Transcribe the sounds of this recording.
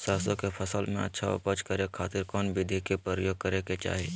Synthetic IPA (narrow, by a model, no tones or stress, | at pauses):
saːsõkepʰɐsəlmẽɐ̰tːʃʰao̰pɐt͡ʃkɐɾekʰaːt̪ɪɾkɔːnbɪd̪ʱikepɾəɾəjoːɡ̚kəɾeket͡ʃa̰ːɦe